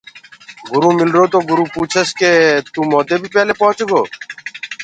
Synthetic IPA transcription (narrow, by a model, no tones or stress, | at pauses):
ɡʊɾũːmɪlɾoːt̪oːɡʊɾuːpuːt͡ʃʰesket̪ũːmɔːd̪eːbʱiːpɛːleːpɔɦət͡ʃɡoː